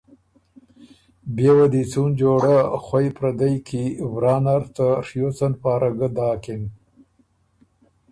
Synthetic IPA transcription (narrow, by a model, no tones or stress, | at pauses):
bewad̪it͡sund͡ʒoːɽaxwajpɾɐd̪ajkivɾɑːnaɾt̪əʂjot͡sanpɑːɾaɡəd̪ɑːkin